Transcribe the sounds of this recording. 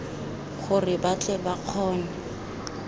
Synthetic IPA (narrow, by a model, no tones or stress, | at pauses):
χʊrɪbat͡ɬʼɛbaq͡χʰɔːnɛ